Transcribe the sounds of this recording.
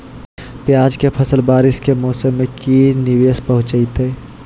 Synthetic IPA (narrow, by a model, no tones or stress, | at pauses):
pjaːd͡ʒkepʰəsəlbaːɾɪskemɔːsəmːẽkinɪʋeːspəɦʊ̃t͡ʃəit̪ɦeː